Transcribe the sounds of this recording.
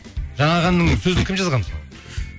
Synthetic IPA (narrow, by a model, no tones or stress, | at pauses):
ʒɑɴɑʁɑnːəŋsɵzɪnɪkʲʰimʒɑzʁɑnso